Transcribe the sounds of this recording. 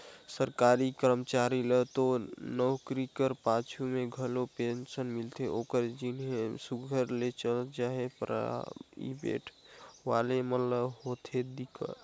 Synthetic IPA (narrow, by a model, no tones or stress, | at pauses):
səɾkaɾikəɾmət͡ʃaɾilət̪onəwkɾikəɾpãt͡ʃʰumeɡʱəlopensənmilt̪ʰeokəɾd͡ʒinɦesuɡʱəɾlet͡ʃələd͡ʒaɦepɾ̰ | ḭbḛʈʰ | ʋalemət̪ləbɦot̪ʰed̪ikə̰